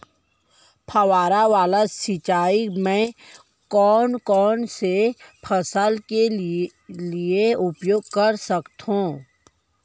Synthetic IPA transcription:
pʰɐwaːɾaʋaːlasɪt͡ʃaːimẽ | kɔːnkɔːnsepʰəsəlke | lieʊpjoːɡ̚kəɾsəkt̪ɦũː

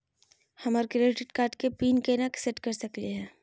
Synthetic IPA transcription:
hɐmaɾkɾeːɪʈɪʈkaːɾʈkepiːnkenakseʈkɐɾsɐkliɦɛː

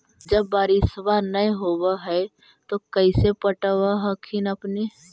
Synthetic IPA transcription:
d͡ʒəbːaːɾisʋanəjɦoːwaɦɛ | t̪okəɪsepəʈəʋaɦəkʰinəpne

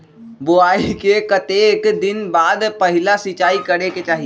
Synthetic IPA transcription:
boaːikekət̪eːkd̪ɪnbaːd̪pəɦɪlasɪt͡ʃaːikəɾeket͡ʃaːɦi

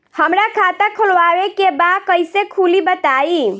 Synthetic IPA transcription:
həmɾakʰat̪akʰolʋaɾekebakəjsekʰulibət̪ai

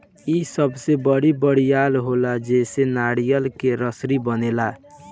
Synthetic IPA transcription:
isəbsebəɽibəɽijalɦolad͡ʒeːsenaɽijəlkeɾəsɾibənela

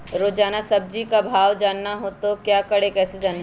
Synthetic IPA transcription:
ɾoːd͡ʒaːnasɐb̚d͡ʒikabʱaːʋd͡ʒaːnːaɦoːt̪okjaːkɐɽekɛːsed͡ʒaːn

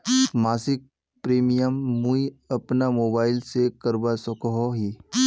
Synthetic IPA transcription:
maːsɪk̚ | pɾeːmijəmːũiɐpnamoːbaːɪlsekəɾbasɔkɦoɦi

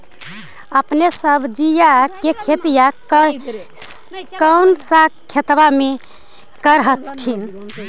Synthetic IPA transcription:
əpnesəbʱd͡ʒijakekʰet̪ija | kəwnsakʰet̪bame | kəɾɦət̪kʰːin

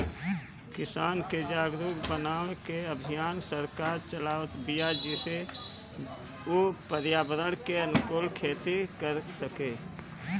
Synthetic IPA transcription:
kɪsaːnked͡ʒaːɡd̪ʊɡbənaːʋekeəbʱijaːnsəɾkaːɾt͡ʃəlaːət̪bijad͡ʒise | opəɾjaːbəd̪əɽ̃keənʊkoːlkʰeːt̪ikəɾsəkeː

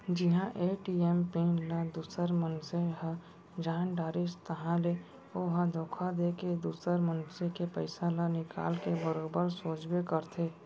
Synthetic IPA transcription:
d͡ʒɪɦãʔeːʈiempĩnlad̪uːsəɾmənseɦə | d͡ʒaːnɖaːɾɪst̪əɦãle | oːɦãd̪ʱoːkʰad̪eked̪uːsəɾmənsekepəɪsalanɪka̰ːlkebəɾoːbəɾsoːd͡ʒbekəɾt̪ʰeː

